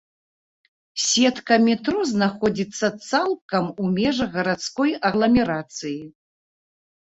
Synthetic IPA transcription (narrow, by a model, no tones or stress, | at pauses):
sʲɛt̪kɐmʲɛt̪ɾuznaxɔd͡zʲit̪sːɐt̪salˠkɐmumʲɛʐɐɣɐɾat̪skɔjɐɣlˠɐmʲɛɾat̪sɨji